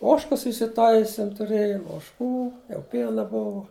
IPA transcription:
ˈoːʃkɐs ɪsʲɪˈtɐɪsʲɪm tʊˈrʲeːjʊm oːʃˈkuː jɛʊ ˈpʲiɛnɐ ˈbʊʋoː

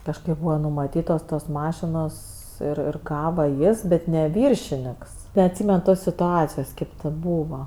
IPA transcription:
kɐʃˈkɐɪp ˈbuːʋɐ nʊmɐˈtʲiːtoːs toːs ˈmɑːʃʲɪnoːs ˈɪr ɪr ˈɡɑːʋɐ ˈjɪs ˈbʲɛt ˈnʲɛ ˈʋʲɪrʲʃʲɪnʲɪks nʲɛɐtʲˈsʲiːmʲɛn ˈtoːs sʲɪtʊˈɑːt͡sʲɪjoːs ˈkʲeːp tʲeː ˈbuːʋɐ

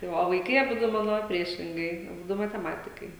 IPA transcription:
tɐɪ ˈʋɐ oː ʋɐɪˈkɐɪ ɐˈbʊdʊ ˈmɑːnoː ˈpʲrʲiɛʃʲɪŋɡɐɪ ɐˈbʊdʊ mɐtʲɛˈmɑːtʲɪkɐɪ

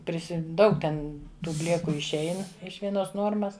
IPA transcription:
ˈpʲrʲɪsʲɪ ˈdɐʊk tʲɛn ˈtuː ˈbʲlʲeːkʊ ɪʃʲˈɛɪn ɪʃ ʋʲiɛˈnoːs ˈnuɔrmɐs

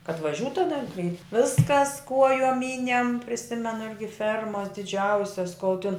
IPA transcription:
kɐt ʋɐˈʒʲuːt tɐˈdɐ kɐɪ ˈʋʲɪskɐs ˈkuɔjoːm ˈmʲiːnʲɛm pʲrʲɪˈsʲɪmʲɛnʊ ˈɪrʲɡʲɪ ˈfʲɛrmɐs dʲɪˈd͡ʒʲɛʊsʲɛs koːlˠ tʲɪn

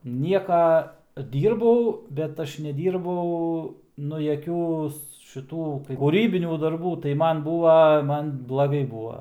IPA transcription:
ˈnʲiɛkɐ ˈdʲiːrbɐʊ bʲɛt ˈɐʃ nʲɛˈdʲiːrbɐʊ ˈnʊ jɛˈkʲuː ʃʲɪˈtuː kuːˈrʲiːbʲɪnʲuː dɐrˈbuː tɐɪ ˈmɐn ˈbuːʋɐ ˈmɐn blˠɐˈɡɐɪ ˈbuːʋɐ

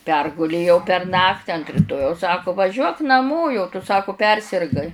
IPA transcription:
ˈpʲɛrɡʊlʲeːjɛʊ pʲɛr ˈnɑːktʲɪ ɐnt rʲɪˈtoːjɛʊs ˈsɑːkʊ ʋɐˈʒʲuɔk nɐˈmoː jɛʊ tʊ ˈsɑːkʊ ˈpʲɛrʲsʲɪrɡɐɪ

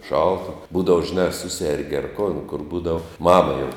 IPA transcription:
ˈʃɐlˠtɐ ˈbuːdɐw ʒʲɪˈnɑː ɐ ˈsʊsʲɛrʲɡʲɪ ɐr koːn kʊr ˈbuːdɐw ˈmɑːmɐ jɛʊ

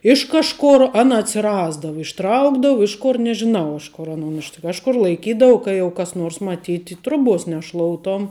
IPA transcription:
ˈɪʃ kɐʃˌkʊr ˈɑːnɐ ɐtʲsʲɪˈrɑːzdɐʋʊ ɪʃˈtrɐʊɡdɐʋʊ ˈɪʃ ˌkʊr nʲɛʒʲɪˈnɐʊ ˈɪʃ ˌkoːr ɐˈnoːn ɪʃ kɐʃˈkʊr lˠɐɪˈkʲiːdɐʋʊ ˈkɐ jɛʊ kɐs ˈnoːrs mɐˈtʲiːtʲɪ ˈtrʊˌbuɔs nʲɛˈʃlˠoːʊtoːm

